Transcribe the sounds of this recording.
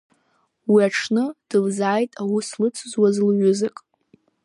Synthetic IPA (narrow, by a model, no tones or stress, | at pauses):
wiaʈ͡ʂʰnɨd̥ɨlzaːjtʼawislɨt͡sʰzwazlɥʊzɨkʼ